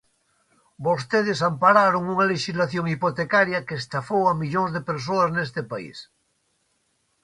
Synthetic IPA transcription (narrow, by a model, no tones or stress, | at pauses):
bost̪eðesampaɾaɾoŋuŋaleʃizlaθjõŋipot̪ekaɾjakest̪afowamiʎoŋzðepeɾs̬oaznest̪epaḭs